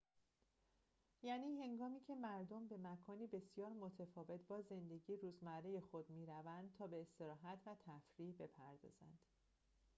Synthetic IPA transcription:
jæniːɦe̞ŋɡɒːmiːcʰe̞mæɾd̪ombe̞mækʰɒːniːbe̞sijɒːɾmo̞t̪ʰefɒːve̞t̪ʰbɒːze̞nd̪e̞ɟiːɾuːzmæɾejexo̞d̪miːɾævænd̪̥̚t̪ʰɒːbe̞ːst̪e̞ɾɒːɦæt̪ʰvæt̪ʰæfɾiːbe̞pʰæɾd̪ɒ̰ːz̥ænd̪̥

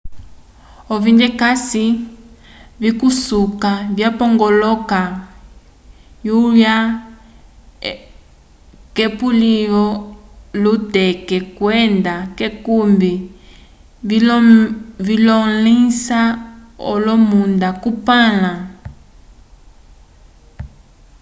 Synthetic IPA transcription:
ɔvindɛkasi | vikusukavjapɔŋɡɔlɔka | juɾja | kɛpuliɔlutɛkɛkwɛndakɛkumbi | vilɔlisaɔ̰lɔmundakupala

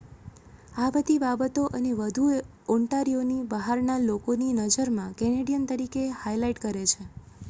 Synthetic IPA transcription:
abəd̪ʱibabət̪oʔəneʋəd̪ʱu | ɔɳʈaɾijonibəɦaɾnalokoninəd͡ʒəɾmãkɛneɽijənt̪əɾikehajlaiʈkəɾet͡ʃʰe

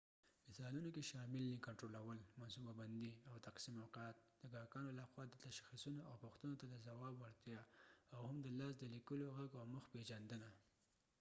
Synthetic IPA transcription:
mɪsɑlunokeʃɑmɪlnikaɳʈɾolawəlmansubaband̪iawt̪aqsimawqɑat̪̚d̪̥əɡɑkɑnolaxwɑd̪ət̪aʃxisunoʔawpʊxt̪ənot̪ad̪əzawɑbwaɾt̪jɑawhamd̪əlɑs̬d̪əlikəloɣaɡawməxped͡ʒand̪əna

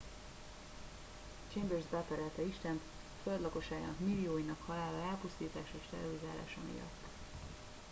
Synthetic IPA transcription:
t͡ʃembørzbɛpɛɾɛlt̪ɛiʃt̪ɛnt̪ | føld̪lɒko̞ʃaːɡa̰ːnɒkmilːijoːjinɒkhɒlaːlɒɛlpust̪iːt̪aːʃɒeːʃt̪ɛ̰roɾizaːla̰ːʃɒ̰mḭjɒ̰t̪ː

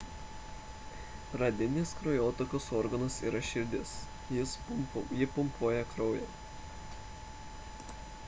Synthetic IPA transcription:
ɾɐd̪ʲɪnʲɪskɾojoːt̪okʲosɔːɾɡɐnɐsḭːɾɐʃʲɪɾʲd̪ʲɪs | jɪspʊmjɪpʊmpuːjɛkɾɒʊjɛ

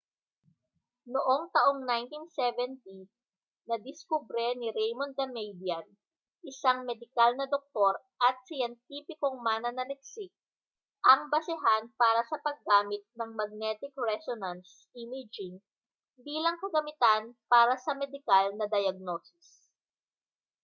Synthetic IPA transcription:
noʔoŋt̪ɐʔoŋnajnt̪insɛvɛnt̪i | nɐd̪ɪskubɾɛnɪɾɛjmond̪ɐmɛjd̪iɐn | ʔɪsaŋmɛd̪ɪkalnɐd̪ok̚t̪o̞ɾ | ʔɐt̪̚sɪjɛnt̪̚iːpɪko̞ŋmaːnɐnɐnɛk̚sɪk̚ | ʔɐŋbɐsɪɦanpaːɾɐsɐpɐɡːaːmɪt̪̚nɐŋmɐɡ̚nɛt̪ɪkɹɛsonɐns | imɪd͡ʒɪŋ | biːlɐŋkɐɡɐmɪt̪anpaːɾɐsɐmɛd̪ɪkalnɐd̪ɐjɐɡ̚no̞ːsɪ̥s

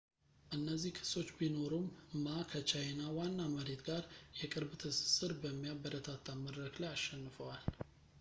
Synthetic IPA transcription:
ʔɨnːəzːihkʰɨ̥so̞t͡ʃːbino̞ɾummakʰət͡ʃʰajnawanːaməɾe̞t̪ɡaɾjɛkʼɨɾbt̪ʰɨsɨ̥sɨɾbəmːijabəɾət̪ʰat̪ʰːamədɾəkləjaʃɛnːɨfəwal

